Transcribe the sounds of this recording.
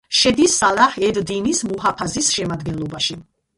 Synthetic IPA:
ʃɛd̪isalaχɛd̪d̪inismuɦapʰazisʃɛmad̪ɡɛnlˠɔbaʃi

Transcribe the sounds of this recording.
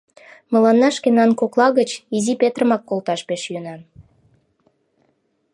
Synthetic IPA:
mə̆lɑnːɑʃkenɑnkoklɑɣət͡ɕizipet̪rəmɑkːolt̪ɑʃpeʃjønɑn

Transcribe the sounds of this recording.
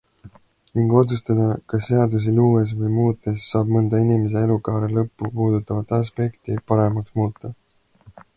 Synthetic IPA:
niŋɡ̥o̞t̪sust̪ɑd̪ɑkɑsːe̞ɑd̪us̬iluːes̬vɤjmuːt̪ːˑesːɑːb̥̚mɤnd̪̥ɑinimes̬e̞e̞lukɑːɾelɤpːupuːd̪ut̪ːˑɑvɑt̪ːˑɑs̬pe̞kt̪ipɑɾe̞mɑksmuːt̪ːˑɑ

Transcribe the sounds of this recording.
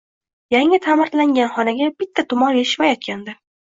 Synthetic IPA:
jaŋɪt̪ʰamɪɾt̪laŋɡʲanχɒnaɡʲabɪt̪ʰːat̪ʰʊmɒnveɪ̥ʃmajɒt̪̚kʲand̪ɪ

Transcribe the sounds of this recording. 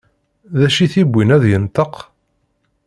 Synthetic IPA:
ðæʃiθibʷːinæðjənt̪əq

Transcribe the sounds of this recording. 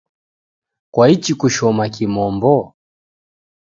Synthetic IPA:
kwait͡ʃikuʃɔmakimɔmbɔ

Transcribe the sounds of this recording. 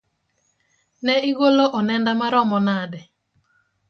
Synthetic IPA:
nɛɪɡoloʔɔnɛndamaɾɔmɔnadɛ

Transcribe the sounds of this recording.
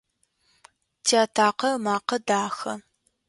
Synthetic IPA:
tʰiaːtʰaːqɐmaːqɐdaːxɐ̰

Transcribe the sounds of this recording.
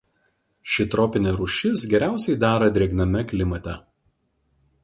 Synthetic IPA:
ʃʲɪt̪ɾɔːpʲɪnʲɛɾʊʃʲɪsɡʲɛɾʲæˑʊsʲɛɪd̪ɑːɾɐd̪ʲɾʲeɛɡnɐmʲɛklʲɪmɐt̪ʲɛ

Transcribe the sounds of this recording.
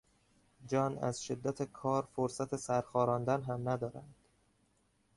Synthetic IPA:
d͡ʒɒːnæ̰zʃe̞d̪ːæt̪ʰekʰɒːɾfoɾsæt̪ʰe̞sæɾxɒːɾɒːnd̪ænɦæmnæd̪ɒːɾænd̪̥

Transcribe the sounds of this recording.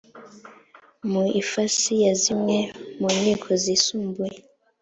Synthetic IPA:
muifasijazimwemunikʰozisuːmbue

